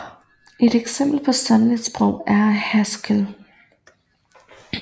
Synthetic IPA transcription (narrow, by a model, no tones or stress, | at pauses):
ʔe̝d̥eɡ̥sem̰b̥l̩pʰɒ̽sɑnlid̥sb̥ʁɔʊ̰æɐhæsɡ̥əl